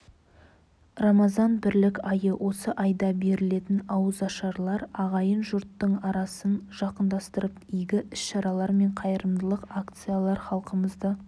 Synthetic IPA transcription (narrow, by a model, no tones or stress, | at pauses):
rɑmɑzɑnbɪɾlɪkʲɑjəwʔo̞səʔɑjd̪ɑbe̞ɾɪle̞t̪ɪnɑwəzɑʃɑɾlˠɑɾɑʁɑjənʒʊɾt̪ːəɴɑɾɑsənʒ̥ɑqənd̪ɑst̪əɾəpijɡʲɪʔɪsʃɑɾɑlˠɑɾme̞ɴqʰɑjəɾəmd̪əlˠəqakt̪sɨjalˠɑɾχɑlˠqəməzd̪ə